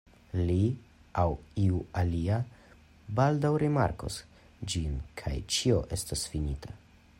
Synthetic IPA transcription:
li | awiualia | baldawɾima̰ɾko̰s | d͡ʒinkʰa̰jt͡ʃio̞ʔe̞stasfinitʰa

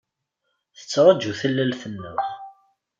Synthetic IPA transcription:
θə̥t͡sːɾˤɑd͡ʒuθəlːælθənːʊ̰θ

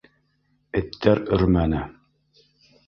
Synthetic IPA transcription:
ɘ̆t̪ʰːæɾɵɾmænæ

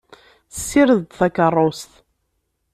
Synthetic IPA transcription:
θsːiɾəðd̪θækːərˤːost̪

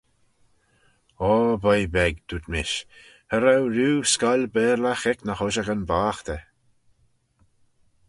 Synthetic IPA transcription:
ɔːbəjbɛɡd̪̥ut̪mɪʃ | həɾawɾuːskalʲbɛːɾlaxɪknəxɔʃəɣənbaːxt̪ə

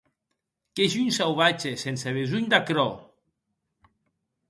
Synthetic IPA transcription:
keʒuɲsawβat͡ʃesenseβezuɲd̪akɾɔ

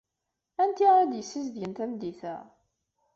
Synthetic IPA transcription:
ænt̪iʁæd̪jəsːizðjənt̪æmd̪iθæ̰

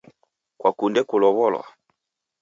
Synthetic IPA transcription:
kwakundɛkulɔβɔlwa̰

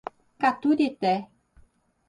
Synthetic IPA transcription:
kat̪ud̪it̪ɛ

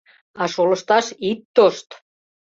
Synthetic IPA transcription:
ɑʃolɤ̆ʃt̪ɑʃit̪ːoʃt̪

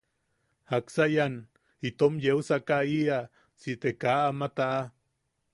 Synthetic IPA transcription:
haksajan | it̪omjeusakaia | sit̪ekaamat̪aʔa

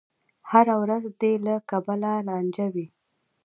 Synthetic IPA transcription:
haɾawɾazd̪elakabalalɑnd͡ʒawi

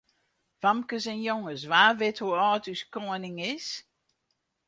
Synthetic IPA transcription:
famkəsɛnjoŋəsʋaːʋɪthuɔːtyskoənɪŋɪs

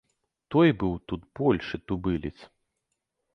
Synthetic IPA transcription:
t̪ɔjbɨwt̪ut̪bɔlʲʂɨt̪ubɨlʲit̪s

